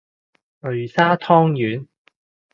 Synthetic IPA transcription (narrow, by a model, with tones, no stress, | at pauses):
lɵ˨˩ɥsaː˥t̪ʰɔː˥ŋjyː˨˥n